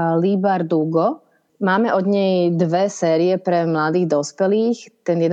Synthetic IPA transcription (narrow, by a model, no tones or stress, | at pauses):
libaɾd̪uɡɔ | maːmɛʔɔd̪ɲɛjd̪ʋɛsɛːɾiɛpɾɛmlad̪iːɣd̪ɔspɛliːxt̪ɛnjɛd̪